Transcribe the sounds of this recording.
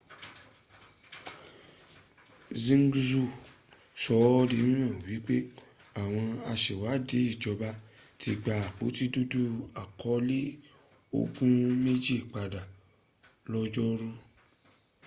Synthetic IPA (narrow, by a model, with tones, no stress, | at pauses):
zĩ˦ŋ˦ɡzu˦˨ | sɔ˧˦ɔ˦di˧mĩ˦nã˦˨wi˨˦k͡pe˦ | a˨w̃ɔ̃˧a˧ʃe˨wa˨˦di˨˦i˦˨d͡ʒɔ˧ba˦ | ti˧ɡ͡ba˧˨a˨k͡po̰˨˦ti˦du˦du˦a˨kʰɔ˨˦le˦ | o̰˦ɡũ˦me˦d͡ʒi˦˨k͡pa˨da˨ | lɔ˦d͡ʒɔ˦ɾu˦